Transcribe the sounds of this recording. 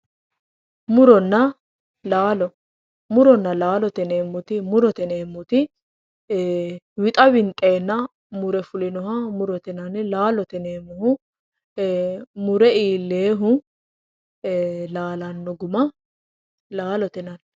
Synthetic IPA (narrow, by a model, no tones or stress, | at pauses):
mʊɾɔnːɐ | laːlɔ | mʊɾɔnːɐlaːlɔt̪ɛneːmːʊt̪ɪmʊɾɔt̪ɛneːmːʊt̪ɪ | wɪt̪ʼɐwɪnt̪ʼːe̞ːnːɐ | mʊɾɛfʊlɪnɔɦɐmʊɾɔt̪ɛnɐnlaːlɔt̪ɛneːmːʊhʊ | mʊɾɛiːlːeːɦʊ | laːlɐnːɔɡʊmɐ | laːlɔt̪ɛnɐn